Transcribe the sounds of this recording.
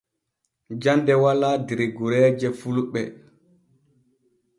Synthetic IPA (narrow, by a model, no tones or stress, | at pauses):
d͡ʒandɛwalaːdiɾiɡuɾɛːd͡ʒɛfuluɓɛ̰